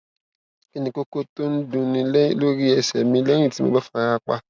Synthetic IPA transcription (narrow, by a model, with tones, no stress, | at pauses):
ke˧nĩ˧ko˦ko˦to˦n̩˦dũ˦˧nĩ˧llo˦ɾi˦ɛ˧˨sɛ˨mĩ˧lɛ̃˦ũ˦˨ti˨˦mo̰˧bɛ˦fũ˧a˧ɾa˧k͡pa̰˧